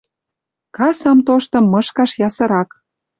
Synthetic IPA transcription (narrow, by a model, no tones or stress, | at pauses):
kɑsɑmt̪oʃt̪ɤ̆mːɤʃkɑʃjɑsɤ̆ɾɑk